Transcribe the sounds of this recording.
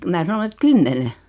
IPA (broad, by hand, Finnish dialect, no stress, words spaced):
mæː sɑnon et kymːene